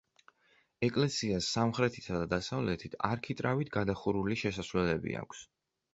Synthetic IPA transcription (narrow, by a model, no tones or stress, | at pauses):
ɛkʼlɛsiasːamχɾɛt̪ʰi̥t̪ʰad̪ad̪asavlɛt̪ʰit̪ʰaɾkʰit̪ʼɾavit̪ʰɡad̪aχuɾuliʃɛsasvlɛlɛbḭa̰kʷʰs